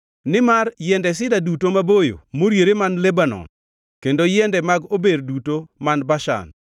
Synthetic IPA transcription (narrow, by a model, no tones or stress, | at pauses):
nɪmarjɛndɛs̬ɪdadutomabojo̰moɾjeɾemanlebanɔ̰n | kendojɛndɛmaɡobeɾdutomanbaʃa̰n